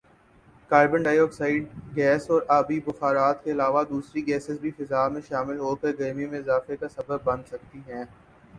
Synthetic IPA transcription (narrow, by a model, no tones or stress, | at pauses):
kaːɪbə̃nɖaːjɔːksaːɪɖɡɛːsɔːɾaːbibʊxaːɾaːt̪keɪlaːʋad̪uːsɾiɡɛːsɪzbʱifɐzaːmẽʃaːmɪlɦoːkəɾɡɐːmijõmẽɪzaːfekasɐbəb̚ːɐ̃nd̪sɐk̚t̪iɦɛ̃ː